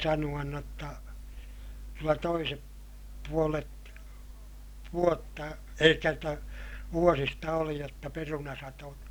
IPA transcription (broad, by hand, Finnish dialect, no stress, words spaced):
sɑnuɑn n otːɑ kylːæ toisep puolet ʋuotːɑ elikːæ jotːɑ ʋuosistɑ oli jotːɑ perunɑsɑto